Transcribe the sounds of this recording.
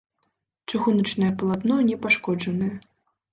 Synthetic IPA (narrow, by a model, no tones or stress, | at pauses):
t͡ʂɨɣunɐt͡ʂnɐjɐpɐlˠad̪nɔnʲɛpaʂkɔd͡ʐɐnɨjɐ